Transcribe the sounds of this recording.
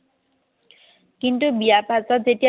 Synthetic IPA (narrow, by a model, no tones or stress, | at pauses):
kint̪ubiapatad͡ʑeʈi